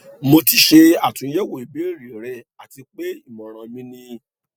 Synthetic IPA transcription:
mo˧ti˧ʃe˧a˦˨tũ˨˦jɛ˦wo˨i˨be˨˦˨ɾi˨ɾɛ˨ | a˨ti˧k͡pe˦i˦˨mɔ̃˨ɾ̃ã˨mĩ˧nĩ˧

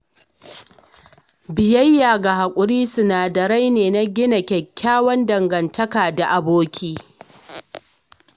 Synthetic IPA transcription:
bɪ˨jɐ˦jːaː˨ɡa˨ha˨kʷʼʊ˨ɾiː˦sʊ˨naː˨dɐ˨ɾa˦jneː˨na˦ɡʲɪ˦na˨kʲɛ˨kʲːaː˦wɐ˦ndɐ˨ŋɡɐ˨ntɐ˦kaː˨da˨ʔa˨boː˦kʲʰiː˦

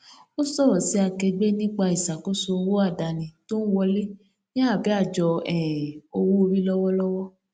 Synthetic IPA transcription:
o˦sɔ˦˨ɾɔ˨si˨˦a˧kɛ˧ɡ͡be˦nĩ˦k͡pa˧i˨sa˨ko˦so˧wo˦a˦˨da˨nĩ˨to˦n̩˦wɔ˧le˦ | nĩ˦a˦˨bi˨˦a˦˨d͡ʒɔ˧ɛ˨o˧wu˦o˧ɾi˦lɔ˦wɔ˦lɔ˦wɔ˦

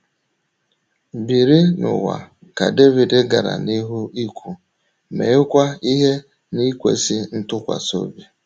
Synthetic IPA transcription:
bi˨ɾi˦nʊ̰˨wa̰˨ | ka˨de˦vi˨de˦ɡa˨ɾa̰˨ni˦ɦu˦i˦kʷʰu˦ | mḛ˨ʊ˦kʷa˦i˦ɦe˦ | ni˦kʷḛ˦si˦n̩˦tʊ˦kʷa̰˨so̰˦be˨

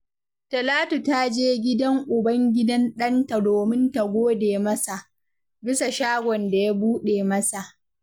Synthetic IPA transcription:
tɐ˨laː˦tu˨ta˦d͡ʒeː˦ɡʲɪ˦dɐ˦ŋʔʊ˨bɐ˦ŋɡʲɪ˦dɐ˦nɗɐ˦nta˨doː˨mɪ˦nta˨ɡʷoː˦deː˨mɐ˦sa˨ʔ | bɪ˦sa˨ʃaː˦ɡʷɔ˨nda˨ja˦buː˦ɗeː˨mɐ˦sa˨ʔ

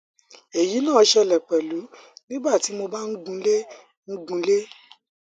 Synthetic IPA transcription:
e˨ji˨˦nãː˦˨˧ʃɛ˧lɛ˨k͡pɛ˨lu˨˦nĩ˦ba˦˨ti˨˦mo˧ba˦n̩˦ɡũ˧le˦ | n̩˦ɡũ˧˦le˦

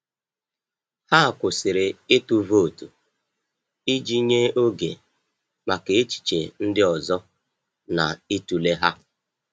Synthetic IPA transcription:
ha˦a˨kʷʊ˨sɪ˨ɾɪ˨e˦tu˦vo˦˨tu˨ | i˦d͡ʒi˦ɲe˦o˦ɡḛ˨ | ma˨ke˨e˦t͡ʃi̥˨t͡ʃe˨n̩˦dɪ˦ɔ˨zɔ˦ | na̰˨i˦tu˨le˦ɦa˦

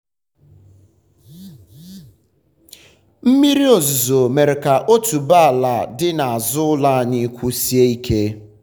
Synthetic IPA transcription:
m̩˦mi˦ɾi˦o˨zu˨zo˨me˨ɾe˨ka˨ʔo˦tu˨ba˦a˨la˨dɪ˦na˨a˨zʊ˦la˦ni˦kʷu˦si˦e˦i˦kʰe˦

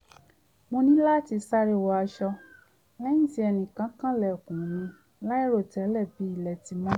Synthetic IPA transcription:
mõ˧nĩ˦la˦ti˧sa˦ɾi˦˨wɔ˧a˧ʃɔ˧ | lɛ˦ĩ˦˨ti˧˦ɛ˧nĩ˨kã˨˦kã˦lɛ˨o˨kũ˨nĩ˧˦ | la˦i˦ɾo˦˨tɛ˨˦lɛ˦˨bi˨˦i˦˨lɛ˧˨ti˧mɔ̃˦

